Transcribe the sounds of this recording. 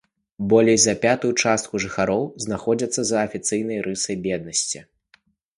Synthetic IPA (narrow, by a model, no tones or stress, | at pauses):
bɔlʲejzɐpʲat̪ujut͡ʂast̪̚kuʐɨxaɾɔwznaxɔd͡zʲɐt̪sːɐzɐːfʲit̪sɨjnɐjɾɨsɐjbʲɛd̪̚nɐsʲt͡sʲi